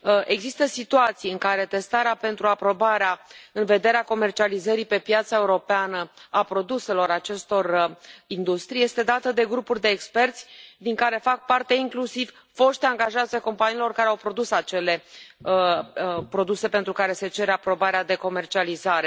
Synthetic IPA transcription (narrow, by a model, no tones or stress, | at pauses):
e̞ɡzist̪əsit̪uat̪sijɨŋkaɾe̞t̪e̞st̪aɾeape̞nt̪ɾuapɾo̞baɾeaɨnve̞d̪e̞ɾeako̞me̞rt͡ʃializəɾipe̞pjat̪sae̞uɾo̞peanəapɾo̞d̪use̞lo̞ɾat͡ʃe̞st̪o̞rind̪ust̪ɾije̞st̪e̞d̪at̪əd̪e̞ɡɾupurʲd̪e̞ːkspe̞rt̪sʲd̪iŋkaɾe̞fak̚part̪e̞iŋklusiv̥ | fo̞ʃt̪aŋɡaʒat̪seko̞mpaniːilo̞rkaɾeawpɾo̞d̪usat͡ʃe̞le̞ | pɾo̞d̪use̞pe̞nt̪ɾukaɾe̞se̞t͡ʃe̞ɾeapɾo̞baɾead̪e̞ko̞me̞rt͡ʃializaɾe̞